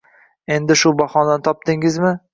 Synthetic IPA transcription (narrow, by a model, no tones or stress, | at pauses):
e̞nd̪ɪʃʊbɒχɒnd̪ant̪ʰɒp̚t̪ɪŋɪzmɪ